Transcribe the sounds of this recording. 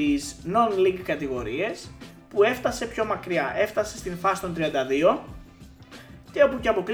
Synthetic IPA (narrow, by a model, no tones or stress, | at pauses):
izno̞nliŋɡkɐt̪iɣo̞ɾie̞s | pue̞ft̪ɐse̞pço̞mɐkɾiɐʔe̞ft̪ɐse̞st̪iɱfɐsi̥t̪o̞nt̪ɾiɐnd̪ɐðio̞ | ceopuceɐpo̞kɾ